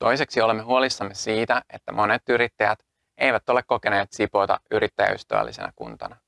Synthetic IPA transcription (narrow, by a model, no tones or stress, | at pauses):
t̪o̞jse̞ksio̞lemːeɦuo̞lisːɑmːe̞siːt̪æe̞t̪ːæmo̞ne̞t̪yɾit̪ːæjæt̪ | e̞jʋæt̪o̞lekko̞ke̞ne̞ːt̪sipo̞jt̪ɑ̰ʔyɾit̪ːæjæ̰y̰st̪æ̰ʋæ̰lːḭse̞̰næ̰kṵnt̪ɑ̰nɑ